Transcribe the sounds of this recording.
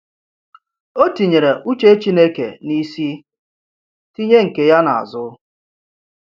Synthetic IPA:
o˦ti˨ɲe˨ɾe˨ʔu˦t͡ʃe˦t͡ʃi˦ne˦kḛ˨ni˦si˦ | ti˦ɲe˦ŋ̩˨ke˨ja˦na˨a̰˨zʊ˦

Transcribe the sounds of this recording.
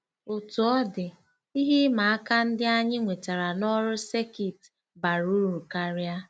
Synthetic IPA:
o˨tu˨ɔ˦dɪ˨ | i˦ɦi˦ma˨a˦ka˦n̩˦dɪ˦a˦ɲɪ˦ŋʷe˨ta˨ɾa˨nɔ˦ɾʊ˦se˦ki˨t | ba˨ɾu˦ɾu˨ka˦ɾa˦

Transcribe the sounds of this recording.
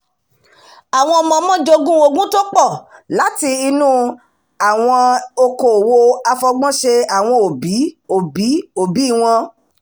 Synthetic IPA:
a˨w̃ɔ̃˧ɔ˧mɔ̃˧mɔ̃˦d͡ʒo˧ɡũ˦o˧ɡũ˦to˦k͡pɔ˦˨la˨˦ti˧i˧nũ˦ | a˨w̃ɔ̃˧o˧ko˨wo˧a˧fɔ˧ɡ͡bɔ̃˦ʃe˧a˨w̃ɔ̃˧o˨bi˨˦o˨bi˨˦o˨bi˨˦i˦˨w̃ɔ̃˧

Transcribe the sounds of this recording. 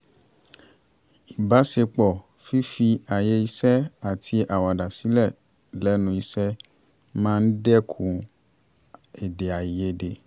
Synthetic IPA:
i˨ba˨˦se˧k͡pɔ˨ | fi˦fi˧a˨je˧˦i˧sɛ˦a˨tʰi˧ʔa˨wa˨da˨si˨˦lɛ˦˨ | lɛ˨˦nũ˧i˧sɛ˦ | mãː˦˧n̩˦dɛ˦kʰũ˨ | e˨de˨a˨e˧˦de˧

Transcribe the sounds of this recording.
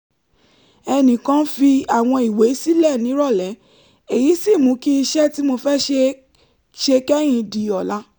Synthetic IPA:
ɛ˧nĩ˨kã˦fi˧a˨w̃ɔ̃˧i˨we˨˦si˦lɛ˦˨nĩ˨˦ɾɔ˦˨lɛ˨˦ | e˨ji˨˦si˦˨mũ˨˦ki˦i˧ʃɛ˦ti˦mo˧fɛ˦ʃe˧ | ʃe˧kɛ˦j̃ĩ˧di˨ɔ˨la˧˦

